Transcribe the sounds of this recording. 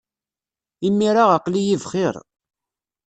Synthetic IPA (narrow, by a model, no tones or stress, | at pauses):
imːiɾaʁaqlijivχɪɾˤ